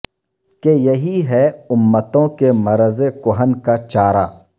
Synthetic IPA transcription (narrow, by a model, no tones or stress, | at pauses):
kejɐɦiɦɛʊmːət̪õkemɐɾəzekʊɦənkat͡ʃaːɾaː